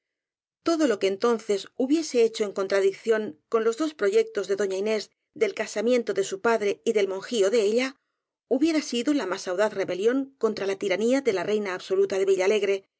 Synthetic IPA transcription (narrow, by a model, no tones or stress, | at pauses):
t̪o̞ðo̞lo̞keːnt̪o̞nθe̞suβje̞se̞et͡ʃo̞e̞ŋko̞nt̪ɾaðikθjo̞ŋko̞nlo̞zðo̞spɾo̞ʝe̞k̚t̪o̞zðe̞ðo̞ɲaine̞z | ðe̞lkasamje̞nt̪o̞ðe̞supaðɾe̞iðe̞lmo̞ŋxio̞ðe̞eʎa | uβje̞ɾasiðolamasawðaθre̞βe̞ljo̞ŋko̞nt̪ɾalat̪iɾaniaðe̞lare̞jnaːβso̞lut̪aðe̞βiʎale̞ɣɾe̞